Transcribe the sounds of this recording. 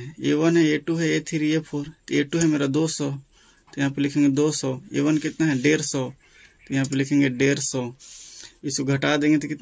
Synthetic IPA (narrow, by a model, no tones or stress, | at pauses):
eːʋənɦɛeːʈuɦɛet̪ʰiɾiepʰoːɾt̪eːʈuɦɛmeːɾad̪oːsɔː | t̪ojɐɦãːpeɾlɪkʰẽːŋɡed̪oːsɔːḛːʋənkɪt̪naɦɛɖeːɾsɔː | t̪ojɐɦãːp̬eɾlɪkʰẽːŋɡeɖeːɾsɔː | ɪskoɡʱɐʈaːd̪ẽːŋɡet̪okɪt̪